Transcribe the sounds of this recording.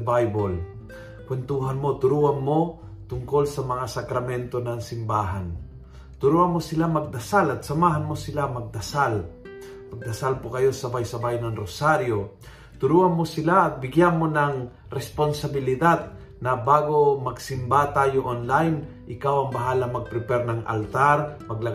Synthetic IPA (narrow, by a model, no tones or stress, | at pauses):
bajbol | kwɛnt̪uːɦanmot̪ʊɾuːanmo | t̪ʊŋko̞lsɐmɐŋasɐkɾɐmɛnt̪o̞nɐŋsɪmbaːɦan | t̪ʊɾuːanmosɪlamɐɡ̚d̪ɐsalɐt̪̚sɐmaːɦanmosɪlamɐɡ̚d̪ɐsal | mɐɡ̚d̪ɐsalpokɐjo̞sɐbajsɐbajnɐŋɾosaɾjo | t̪ʊɾuːanmosɪlat̪̚bɪɡjanmonɐŋ | ɾɛsponsabɪlɪd̪ad̪̚ | nɐbaːɡomɐɡsɪmbat̪aːjoʔonlajn | ʔɪkawɐŋbɐɦaːlaŋmɐɡ̚pɾɪpɛɾnɐŋʔɐ̰lt̪aɾmɐɡlɐ